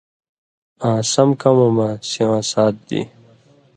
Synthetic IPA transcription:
ãːsɐmkɐmɐmasiwãːsaːt̪̚d̪ḭ

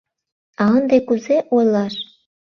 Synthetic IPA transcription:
ɑnd̪ekuzeʔojlɑʃ

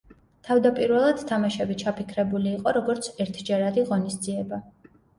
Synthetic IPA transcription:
t̪ʰavd̪apʼiɾvɛlˠad̪̥t̪ʰamaʃɛbit͡ʃʰapʰikʰɾɛbuliːqʼɔɾɔɡɔɾt̪sʰɛɾt̪ʰd͡ʒɛɾad̪iʁɔnisd̪ziɛba

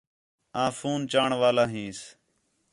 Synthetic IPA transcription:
ãːfuːnt͡ʃaːɳʋaːlaːɦĩːs

